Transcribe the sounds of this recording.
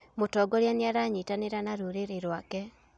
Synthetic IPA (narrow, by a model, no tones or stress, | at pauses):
motɔːɡɔɾjaniaɾaɲitaneɾanaɾuɾeɾeɾwakɛ